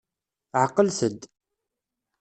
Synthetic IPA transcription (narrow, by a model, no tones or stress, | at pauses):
ʕəqːəlsəd̪